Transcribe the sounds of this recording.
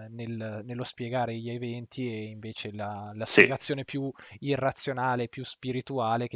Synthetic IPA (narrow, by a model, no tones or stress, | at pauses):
nelnelːospjeɡaːɾeʎevɛnt̪ʰieiɱveːt͡ʃelalaseɡat̪sjoːnepjuirːat̪sːjonaːlepjuspiɾit̪uaːlek